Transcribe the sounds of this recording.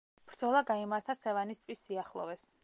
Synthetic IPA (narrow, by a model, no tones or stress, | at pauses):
b̥ɾd̪z̥ɔlˠaɡaimaɾt̪ʰasɛvanist̪ʼvisːiaχlˠɔ̰vɛs